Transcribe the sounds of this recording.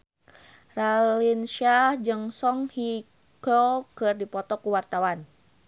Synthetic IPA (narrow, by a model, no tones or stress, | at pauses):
ralinʃad͡ʒɨŋsɔŋhi | kokɨrdipɔt̪ɔkuwart̪awan